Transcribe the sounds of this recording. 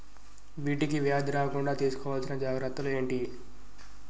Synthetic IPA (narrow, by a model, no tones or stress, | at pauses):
ʋiːʈikiʋijaːd̪ɾaːkuɳɖaːt̪iːsu̥kɔʋaːlsinːɐd͡ʒaːɡɾɐt̪ːulue̞ːɳʈi